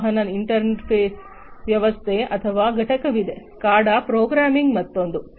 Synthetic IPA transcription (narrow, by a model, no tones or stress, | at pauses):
ɦɐnɐniɳʈɐɾneʈpʰeːs | ʋjɐʋɐst̪ʰeːʔɐt̪ʰɐʋaːɡɐʈɐkɐʋid̪e | kaːɽɐpɾoːɡɾaːmiŋɡmɐt̪ːond̪u